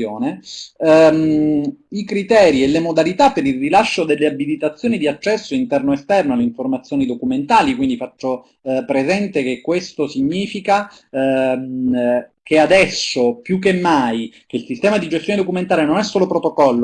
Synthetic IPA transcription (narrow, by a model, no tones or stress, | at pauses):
joːne | ikɾit̪ɛːɾielːemod̪alit̪apːeɾilrilaʃːod̪elːeabilit̪at̪sːjoːnid̪iat͡ʃːɛsːoint̪ɛrnoest̪ɛrnoalːeiɱformat̪sːjoːnid̪okument̪aːlikwind̪ifat͡ʃːo | pɾezɛnt̪ekekːwest̪osiɲːiːfika | kead̪ɛsːopjuk̬ːemːajk̟eilsist̪ɛːmad̪id͡ʒest̪joːned̪okument̪aːɾenonɛsːoːlopɾot̪okɔlːo